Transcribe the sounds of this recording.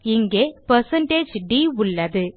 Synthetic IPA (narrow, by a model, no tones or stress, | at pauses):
iŋɡepɐsɐnʈeːd͡ʑɖiuɭːɐðɨ